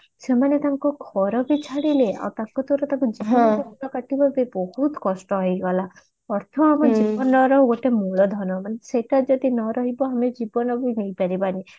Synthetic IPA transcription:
semanet̪aŋkɔɡʱʰɔɾɔbit͡ʃʰaɽilea̰wt̪akɔt̪oɾɔt̪ãŋkud͡ʒibɔnkɔbɔnɔkaʈibɔbebɔhut̪kɔsʈɔɦɔjɡɔla | ɔɾt̪ʰɔamɔd͡ʒibɔnɔɾɔɦɡoʈemuɭɔd̪ʱɔnɔmaneseʈad͡ʒɔd̪inɔɾɔɦibɔamed͡ʒibɔnɔbinejpaɾibani

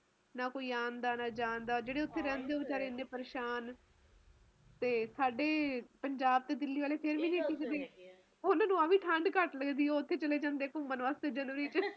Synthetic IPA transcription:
naːkoːiːaːnd̪aːnaːd͡ʒãːnd̪aːd͡ʒeːɽeːʊt̪ʰːeːɾɛ̃ːnd̪eːd͡ʒaːɾeːnːẽːpəɾeːʃaːn | t̪eːsaːɖeːpəɲd͡ʒaːb̚t̪eːd̪ɪlːiːʋaːleːpʰɪɾʋĩːneːkiːkd̪eː | ʊnãːnũːaːʋiːʈʰəɳɖkəʈləɡd̪iːoʊt̪ʰːeːt͡ʃəleːd͡ʒãːnd̪eːkʊmənʋaːst̪eːd͡ʒənʋəɾiːt͡ʃ

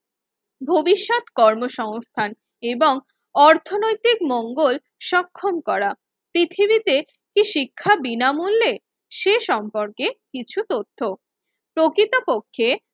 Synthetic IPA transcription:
bʱobiʃːot̪kɔɾmoʃɔŋst̪ʰan | eboŋ | ɔɾt̪ʰonojt̪ikmɔŋɡol | ʃɔkʰːomkɔɾa | pɾit̪ʰibit̪e | kiʃikʰːabinamulːe | ʃeʃɔmpoɾkekit͡ɕʰut̪ot̪ʰːo | pɾokɾit̪opokʰːe

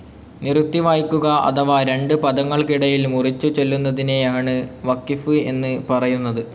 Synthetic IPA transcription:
nirut̪ːiʋaːjkʲːuɣɐʔɐ̰ðɐʋaɾe̞ɳɖɨpɐðɐŋːɐɭkiɽɐjilmurit͡ɕːut͡ɕe̞lːunːɐðine̞jaːɳɨʋɐkːifɨe̞nːɨpɐrɐjunːɐðɨ

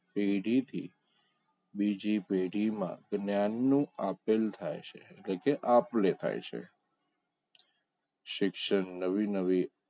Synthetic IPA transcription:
peɖʱit̪ʰḭ | bid͡ʒipeɖʱimã̰ɡnjanːũapelt̪ʰajt͡ʃʰḛːʈlekeʔaplet̪ʰa̰jt͡ʃʰḛ | ʃɪkʃənːəʋinəʋi

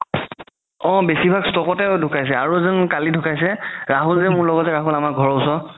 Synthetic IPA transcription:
ɔ̃besibʱaɡstɔkɔtɛdʱʊkajs̬ɛaɹuzɔnkalidʱʊkajsɛɹaɦulzɛmʊɹlɔɡɔtɛɹaɦulamaɡʱɔɹɔʊsɔ

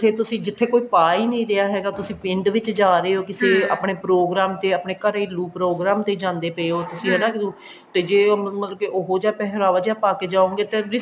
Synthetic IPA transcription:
t̪ʰeːt̪ʊsĩːd͡ʒɪt̪ʰːeːkoːiːpaːiːnəĩːɾeaːɦɛːɡaːt̪ʊsĩːpɪ̃ɳɖʋɪt͡ʃd͡ʒaːɾeːoːkɪseːa̰ːpɳeːpɾoːɡɾaːmt̪eːaːpɳeːkəɾeiːluːpɾoːɡɾaːmt̪eːd͡ʒãːnd̪eːpeoːt̪ʊsĩːɦɛːnãːkɪt̪uː | t̪eːd͡ʒeːmət̪ləbkeʔoɦoːd͡ʒaːpɛɦɾaːʋaːd͡ʒaːpaːkeːd͡ʒaːõːŋɡeːt̪eːɾɪ

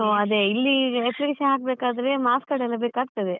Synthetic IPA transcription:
oɐd̪eilːieplikeːʃɐnɦaːk̚beːkaːd̪ɐɾe̞maːskɐɽɛlːɐbeːkaːɡ̚t̪ɐd̪e

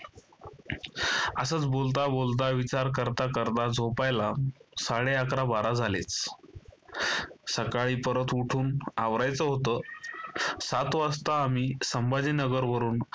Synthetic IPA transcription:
əsəːt͡sbolt̪̬abolt̪aʋit͡ɕaɾk̬əɾt̪akəɾt̪ad͡zʱopajlasaɽeakɾabaɾad͡zʱalḛt͡s | səkaɭiːpəɾət̪uʈʰuːnaʋɾajt͡səɦot̪əː | sat̪ʋast̪aːmiːsəmbad͡zinəɡəɾʋəɾuːn

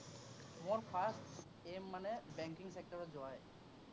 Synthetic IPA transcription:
mɔɹpʰast | emːanɛbɛŋkiŋsek̚tɔɹɔzɔaj

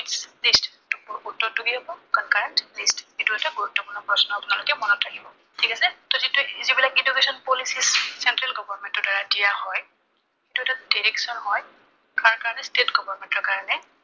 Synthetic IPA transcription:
tslist | tʊpuɹutːɔɹtuɡiɦabɔkankaɹɛntlistituɛtaɡuɹutːɔpuɹnɔpɹɔsɔnɔapʊnalokɛmɔnɔtʰːakibɔ | tʰikasɛtɔzitʊzibilakidukesɔnpolisissɛntɹalɡɔbɔɹmentɔdaɹadijahɔj | etuɛtadiɹɛksɔnɦɔj | kaɹkaɹanɛstetɡɔbʱɔɹmẽntɔkaɹanɛ

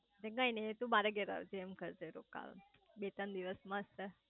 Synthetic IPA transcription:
d̪ẽɡãinet̪ũbaɾəɡeɾa̰ʋd͡ʒemkəɾd͡ʒeɾoka̰l | bet̪ənd̪iʋəsmãəst̪ə

